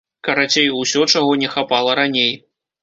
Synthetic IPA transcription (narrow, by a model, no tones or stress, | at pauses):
kɐɾat͡sʲejuwsʲɔt͡ʂaɣɔnʲɛxapalˠɐɾanʲej